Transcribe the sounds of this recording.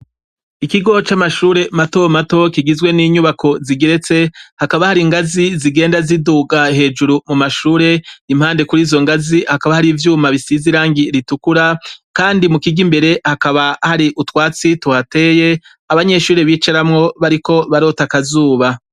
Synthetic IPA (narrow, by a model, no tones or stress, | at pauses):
ikiɡo̞t͡ʃamaʃuːɾe̞matomato̞kiɡizɡwe̞niːɲuβakʰo̞ziɡeɾe̞t͡se̞hakaβahaɾiŋɡaziziɡe̞ːndaziduːɡaɦe̞ːd͡ʒuɾumumaʃuːɾe̞im̥haːnde̞kuɾiːzo̞ŋɡazihakaβahaɾiːvjuːmaβisiziɾaːŋɡiɾitukuɾakaːndimukiɡimbe̞ɾe̞hakaβahaɾiʔutwaːt͡situhate̞ːje̞ | aβaɲe̞ʃuːɾe̞βiːt͡ʃaɾamŋo̞βaɾiko̞βaɾo̞takazuːβa